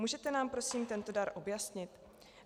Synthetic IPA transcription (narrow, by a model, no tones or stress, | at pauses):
muːʒɛt̪ɛnaːmpɾo̞siːmt̪ɛnt̪o̞daɾʔo̞bjasɲɪt̪